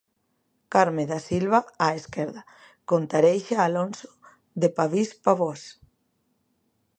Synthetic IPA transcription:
kaɾmẽðasilβaaeskeɾða | kont̪aɾejʃaːlonso̥ | ðepaβispaβɔs

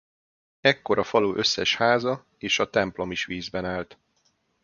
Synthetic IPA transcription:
ɛkːo̞ɾɒfɒloːʔø̞sːɛʃhaːzɒ | eːʃɒt̪ɛmplo̞miʃʋiːzbɛnaːlt̪

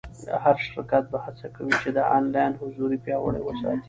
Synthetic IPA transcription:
haɾʃɾɪkat̪̚bahat͡sakawit͡ʃed̪əʔɑnlɑjnhʊzuɾipjɑwə̰ɽa̰wəsɑ̰t̪i̥

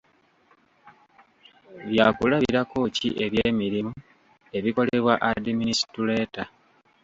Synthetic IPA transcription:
βjaːkulaβiɾako̞ːcḭʔe̞βje̞ːmiɾimu | e̞βiko̞le̞βwaʔadiminisi̥tule̞ːta

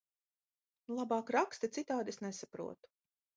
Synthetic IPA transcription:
lˠabɑːkɾakst̪it̪sit̪aːd̪esnesapɾṵɔt̪u̥

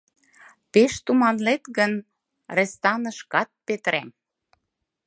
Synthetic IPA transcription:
peʃt̪umɑnlet̪ɣən | rĕst̪ɑnə̆ʃkɑt̪̚pet̪ɾæm

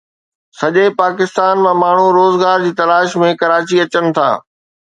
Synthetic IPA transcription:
sɐʄepaːkɪst̪aːnmãmaːɳ̤uɾoːzɡaːɾd͡ʑiːt̪ɐlaːʃmẽkɐɾaːt͡ɕiɐt͡ɕənɪ̆t̪ʰa̰ː

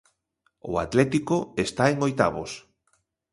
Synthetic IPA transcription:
ʊ̰at̪lɛt̪ikoest̪aeŋojt̪a̰βo̰s

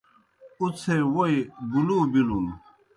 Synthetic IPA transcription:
ut͡sʰewoiɡulubilum

